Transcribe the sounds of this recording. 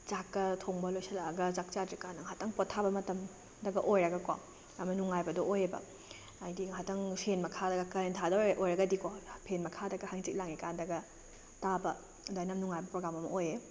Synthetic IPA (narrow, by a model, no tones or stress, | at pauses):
t͡ʃakːɐtʰoŋbɐlojsɐlaɐɡɐt͡ʃak̚t͡ʃadɾikanɐŋɦatɐŋpɔtʰːabɐmɐtɐm | dɐɡɐʔojɾɐɡɐkwa̰ | ɐmɐnuŋajbɐdɔʔojebɐ̰ | ajdiɦatɐŋpʰenmɐkʰadɐɡɐkɐentʰadɐʔojɾɐɡɐdikopʰenmɐkʰadɐɡɐhaŋt͡ʃik̚laŋikandɐɡɐ | tabɐ | dajnamnuŋajbɐpɾoɡɾamɐmɐ̰oje